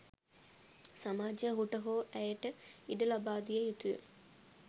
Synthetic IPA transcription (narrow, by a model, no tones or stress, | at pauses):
samaːd͡ʒəɦuʈəɦoːʔæjəʈəiɖəlabaːd̪ijəjut̪ujə̰